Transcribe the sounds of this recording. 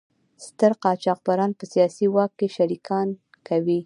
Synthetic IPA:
st̪əɾqɑt͡ʃɑq̚baɾɑnpəsijɑsiwɑkːeʃaɾikʰɑn | kawi

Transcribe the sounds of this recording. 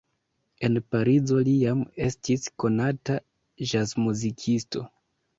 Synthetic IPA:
e̞npaɾizo̞lijame̞stisko̞nata | ʒasmuzikʰisto̞̰

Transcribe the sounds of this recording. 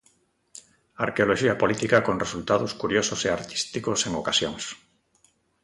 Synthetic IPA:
a̰ɾkeoloʃiapolit̪ikakoŋresult̪aðoskuɾjososeaɾt̪i̥st̪ikoseŋokasjoŋs

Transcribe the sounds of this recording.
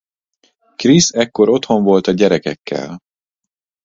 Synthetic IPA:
krisɛkːo̞ɾo̞t̪ho̞ɱvo̞lt̪ɒɟɛɾɛkɛ̰kːɛ̰l

